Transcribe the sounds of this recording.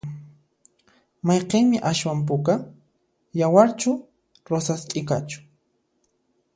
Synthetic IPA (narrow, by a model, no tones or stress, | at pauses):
mɑjqeŋmɪʔaʃwamp̬ʊka | jawaɾt͡ʃʊ | ɾosast͡ʃʼɪkat͡ʃʊ̥